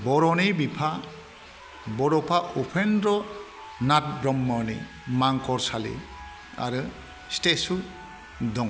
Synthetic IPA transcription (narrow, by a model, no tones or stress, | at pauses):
bɔɾɔnibipʰa | bɔɾɔpʰaʔupʰenɾɔ | nat̚bɾɔmːɔnḭ | maŋkʰɔɾsalḛ | a̰ɾɯ | stetsu | dɔŋ